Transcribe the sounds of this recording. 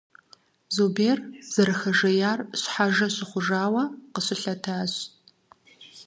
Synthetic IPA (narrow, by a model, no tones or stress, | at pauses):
zobeːrz̥ɐɾɨxɐʒɐjaːrɕħaʒɐɕɪχʷʊʒaːwɐqəɕɪɬɐtʰaːɕ